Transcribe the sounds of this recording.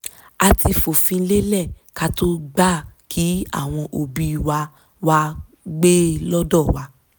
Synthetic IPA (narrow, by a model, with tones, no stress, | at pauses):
a˧ti˧fo˨fĩ˧n̩˦le˦lɛ˦˨ | ka˦to˦ɡ͡ba˦˨kʰi˨˦a̰˦˨w̃ɔ̃˧ʔo˧bi˧wa˧ | wa˦ | ɡ͡be˦lɔ˦dɔ˦˨wa˨˧˦